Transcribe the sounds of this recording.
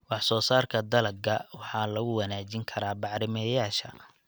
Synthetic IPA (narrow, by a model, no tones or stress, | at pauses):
wɑħsɔːsaːrkʰɐd̪ɐlɐɡɡɐwɑħɑːlɐɣʊwɑnaːt͡ʃɪŋkʰɐɾaːbɑʕɾɪmɛjaːʃɐ̰